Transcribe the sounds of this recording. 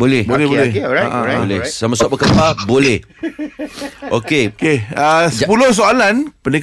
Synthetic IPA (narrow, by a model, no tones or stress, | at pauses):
bolɛhbolɛhbolɛha̰ʔabolɛsamasaʔbəkəpabolɛh | okekeasəpulohs̬oalanpənik